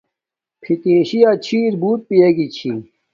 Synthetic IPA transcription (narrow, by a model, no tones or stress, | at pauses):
pʰit̪eːɕijat͡ɕʰiːɾbuːt̪̚pijeɡit͡ɕʰḭ